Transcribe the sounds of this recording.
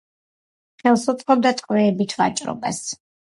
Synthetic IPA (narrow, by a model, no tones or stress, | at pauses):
χɛlˠsut̪sʼqʼɔb̚d̪at̪ʼqʼwɛːbit̪ʰva̰t͡ʃʼɾɔ̰ba̰s